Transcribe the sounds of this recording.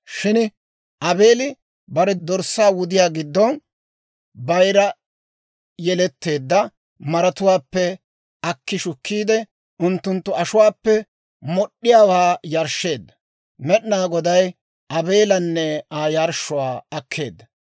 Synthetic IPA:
ʃɪn | ʔɐbeːlɪ | bɐɾɛd̪ɔɾsːaːwʊd̪ɪjaːɡɪd̪ːɔn | bɐjɾɐ | jɛlɛt̪ːe̞ːd̪ːɐ | mɐɾɐt̪ʊwaːpːɛ | ɐkːɪʃʊkːiːd̪ɛ | ʊnt̪ːʊnt̪ːʊɐʃʊwaːpːɛ | mɔɗːɪjaːwaːjɐɾʃːe̞ːd̪ːɐ̥ | mɛɗnaːɡɔd̪ɐj | ʔɐbe̞ːlɐnːɛaːjɐɾʃːʊwaːɐkʰːe̞ːd̪ːɐ

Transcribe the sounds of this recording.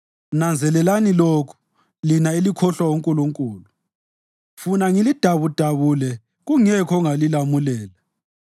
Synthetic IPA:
nand͡zʱɛlɛlanilokʰu̥ | linaelikʰɔɬwawoŋkʼuluŋkʼuːlu | funaŋilid̥ʱaβud̥ʱaβulɛ | ɣuŋɛkʰɔŋalilamulɛːla

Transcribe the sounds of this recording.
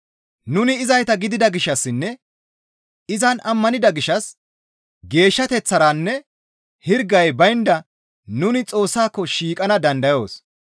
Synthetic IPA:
nʊnɪːzɐjt̪ɐɡɪd̪ɪd̪ɐɡɪʃːɐsːɪnːɛ | ɪzɐnʔɐmːɐnɪd̪ɐɡɪʃːɐs | ɡe̞ːʃːɐt̪ɛt͡sːɐɾanːɛ | hɪɾɡɐjbɐjnd̪ɐ | nʊnɪt͡sʼo̞ːsːaːkːɔʃiːkʼɐnɐd̪ɐnd̪ɐjo̞ːs

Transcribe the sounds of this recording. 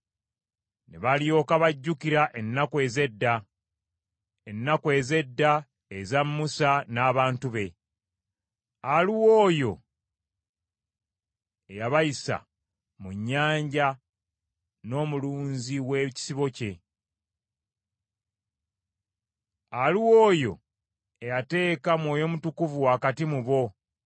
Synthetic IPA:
ne̞̰βalijo̞ːkaβaɟːukiɾaʔe̞nːakwe̞ːze̞dːa | enːakwe̞ːze̞dːa | ezamːusanaːβaːntuβe̞ | aliwo̞ːjo̞ | ejaβajisa̰ | muɲːaːɲɟa | no̞ːmuluːɲziweci̥siβo̞ce̞ | aliwo̞ːjo̞̰ | ejate̞ːkamwo̞ːjo̞mutukuvuwaːkatimuβo̞

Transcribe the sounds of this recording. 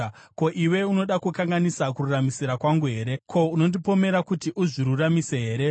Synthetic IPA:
ko̞ʔiwe̞uno̞ɗakukaŋɡanisakururamisiɾakwaŋɡuɦe̞ːɾe̞kʰo̞uno̞ndipo̞me̞ɾakutiʔuʐiɾuramise̞ɦe̞ːɾe

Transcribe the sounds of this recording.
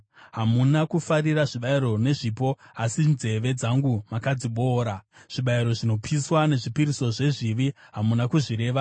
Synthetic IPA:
ɦamunakufariraʐiɓaiɾo̞ne̞ʐipo̞asinze̞ʋe̞d͡zaŋɡumakad͡ziɓoːɾaʐ̥iɓaiɾo̞ʐino̞pʰiswane̞ʐipiɾiso̞ʐe̞ʐiʋiɦamunakuʐiɾe̞ːʋa

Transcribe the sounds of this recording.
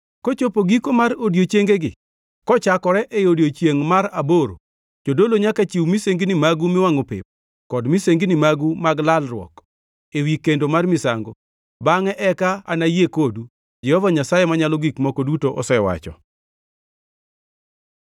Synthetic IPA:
kot͡ʃopoɡikomarodjot͡ʃjeŋɡeɡɪ | kɔt͡ʃakɔɾɛʔejodjot͡ʃjeŋmaɾaboɾo̰ | d͡ʒodoloɲakat͡ʃiwmiseŋɡinimaɡumɪwaŋopɪ̰p̚ | kɔdmiseŋɡinimaɡumaɡlalrwɔ̰k | ewikendomarmɪsaŋɡo | baŋɛʔɛkaanajekodu | d͡ʒɛhɔvaɲasajɛmaɲalɔɡikmɔkɔdutoʔɔsɛwa̰t͡ʃɔ̰

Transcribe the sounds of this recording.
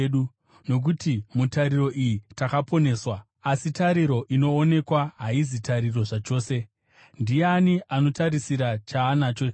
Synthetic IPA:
ɗu | no̞k̬utimutaɾiro̞ʔijitakapo̞ne̞ːswa | asitaɾiɾo̞ʔino̞ːne̞kwaɦaizitaɾiro̞ʐat͡ʃo̞ːse̞ | ndijeaniʔano̞taɾisiɾat͡ʃaːnaːt͡ʃo

